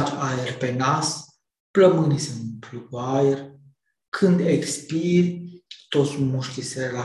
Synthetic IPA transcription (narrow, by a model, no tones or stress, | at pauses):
t͡ʃajerpenas | pləmɨnisɨnplukuajer | kʰɨnd̪ekspiɾʲt̪ot̪sʲmuʃt̪iseɾela